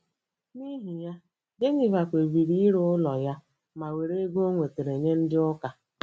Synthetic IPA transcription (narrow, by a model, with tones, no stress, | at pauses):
ni˦ɦi˨ja˦ | ɡe˦ɲɪ˨va˨kʷe˨bi˨ɾi˦ɾʊ˦ʊ˦lɔ˨ja˦ | ma˨we˨ɾe˦ɡo˦ŋʷe˨te˨ɾe˨ɲe˦n̩˦dɪ˦ʊ˦ka˨